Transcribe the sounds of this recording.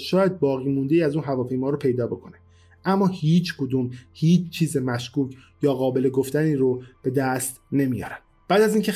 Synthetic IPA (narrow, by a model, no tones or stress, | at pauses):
ʃɒːjæd̪̚bɒːɣiːmund̪e̞iːæzuːnɦævɒːpʰe̞jmɒːɾopʰe̞jd̪ɒːbe̞kʰone | ʔæmːɒːhiːt͡ʃʰkʰod̪uːmhiːt͡ʃt͡ʃʰiːzemæʃkuːcʰ | jɒːɣɒːbe̞leɡo̞ft̪æniːɾob̥e̞d̪æst̪ne̞mijɒ̰ːɾæn | b̥æːd̪æziːŋcʰe